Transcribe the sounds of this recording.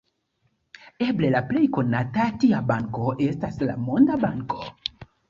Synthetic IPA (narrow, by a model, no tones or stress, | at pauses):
e̞ble̞laple̞jko̞natatiabaŋko̞ʔe̞stasla̰mo̞ndabaŋko̞